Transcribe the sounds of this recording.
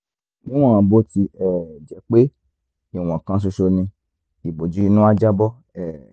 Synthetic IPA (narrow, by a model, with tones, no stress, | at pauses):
nĩ˦ɔ̃˦˨ã˨˦bo˧˦ti˧ɛ˦˨d͡ʒɛ˨˦k͡pe˦ | i˦˨w̃ɔ̃˨kã˧s̬o˧ʃo˧nĩ˧ | i˨bo˨d͡ʒi˨˦i˧˦nũ˦a˦d͡ʒa˦bɔ˦ | ɛ˨